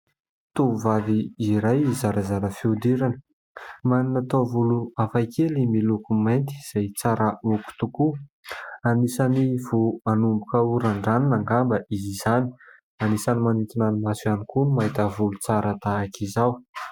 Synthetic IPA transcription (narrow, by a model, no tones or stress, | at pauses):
t̪uuvaviiɾajizaɾazaɾəfiud̪iɾanə̥ | maninat̪ovuluafajkelimilukumajnt̪i̥z̥ajt͡saɾəuku̥t̪uku | anisanivuanumbukauɾaɳɖ͡ʐaninaŋɡambəizizani̥ | anisanimanit̪inanimasuanikumait̪əvulut͡saɾət̪aakizaw